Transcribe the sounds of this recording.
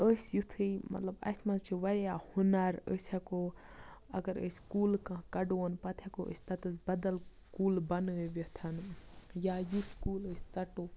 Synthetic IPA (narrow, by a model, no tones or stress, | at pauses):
əsjut̪ʰɨimɐ̰t̪lɐbɐ̰smɐnzt͡ʃʰiʋɐɾjahunɐɾə̰sʲɐko | ɐ̰ɡɐɾə̰sʲkuːlkãːkɐɖonpɐt̪ʰekoʔə̰sʲt̪ɐt̪ɨzbɐd̪ɐl | kuːlbɐnɨʋɐt̪ʰɐnjaːjuskuːləsʲt͡sɐʈoː